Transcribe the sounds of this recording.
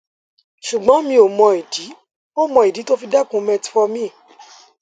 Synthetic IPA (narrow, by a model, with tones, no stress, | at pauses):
ʃu˨ɡ͡bɔ̃˨˦mĩ˧o˨mɔ̃˧i˨di˨˦ | o˦mɔ̃˧˨i˨di˨˦to˦fi˧da˦˨kũ˨˧mɛ̃˧ti̥˧fɔ˧mĩ˦˨